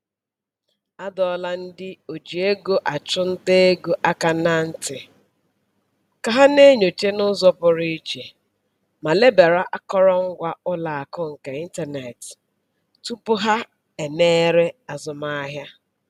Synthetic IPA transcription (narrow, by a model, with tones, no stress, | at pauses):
a˦dɔ˦la˦n̩˦dɪ˦o˨d͡ʒi˨e˦ɡo˦ʔa˨t͡ʃʊ˦n̩˦te˦e˦ɡo˨ʔa˦ka˨na˦n̩˦tɪ˨ | ka˨ɦa˦ne˦ɲo˨t͡ʃe˦nʊ˦zɔ˦pʊ˨ɾi˦t͡ʃe˨ | ma˨le˦be˨ɾa˦ʔa˦kɔ˦ɾɔ˦ŋ̩˦ɡʷa˦ʊ˦la˨a˨kʊ˦ŋ̩˨ka˨i˦n˦ta˨ne˨t | tu˦pʊ˦ɦa˦ | e˨ne˦ɾe˦a˨zʊ˨ma˦a˦ɦja˦